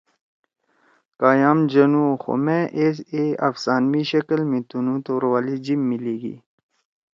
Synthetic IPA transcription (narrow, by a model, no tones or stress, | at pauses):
kaːjaːmd͡ʑɐnũːxo̰mẽʔeseːa̰fsaːnmiɕɐkəlmẽt̪unũt̪oːɾwaːlid͡ʑimːiliːɡḭː